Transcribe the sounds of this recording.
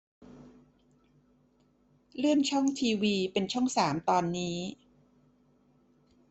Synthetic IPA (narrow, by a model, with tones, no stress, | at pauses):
lɯ˥˩ənt͡ɕʰɔ˥˩ŋt̪ʰiː˧wiː˧pe˧nt͡ɕʰɔ˥˩ŋsaː˩˦mt̪ɔː˧nːiː˦˥